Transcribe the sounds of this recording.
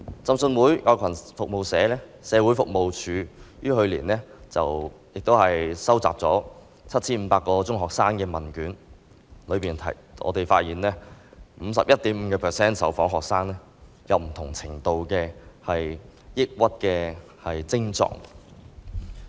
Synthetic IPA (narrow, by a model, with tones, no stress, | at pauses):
t͡sɐ˨˧msɵ˧nwuː˨˥jʔɔː˨˧kʰɐ˨˩nfʊ˨k̚mo˨wsɛː˨˧lɛː˥sɛː˨˧wu˨˥jfʊ˨k̚mo˨˧wt͡ʃʰyː˨˧jyː˥hɵ˧ɥliː˨˩nlɛ˥t͡sɐ˨wjɪ˨k̚t̪o˥whɐ˨jsɐ˥wt͡sa̰ː˨p̚t͡sɔː˨˥ | t͡sʰɐ˥t̚t͡sʰiː˥nm̩˧paː˧kːɔː˧t͡sʊ˥ŋɦɔː˨k̚saː˥ŋkɛː˧mɐ˨˩nkyː˨˥n | lɵ˨˧ɥpiː˨nt̪ʰɐ̰˨˩ | ʔɔ̰ː˨˧t̪e˨jfaː˧t̚jiː˨nlɛː˥m̩˨˧sɐ˨p̚jɐ˥t̚t̪iː˨˥m̩˨˧kɛː˧pʰɛː˨sɛː˥nsɐ˨˥wfɔː˨˥ŋɦɔː˨k̚saː˥ŋlɛː˥ | jɐ˨˧wm̩˨˩t̪ʰʊ˨˩ŋt͡sʰɪ˨˩ŋt̪o˨wkɛː˧hɐ˨jjɪ˥k̚wɐ˥t̚kɛː˧ | hɐ˨jt͡sɪ˥ŋt͡sɔ̰ː˨˩ŋ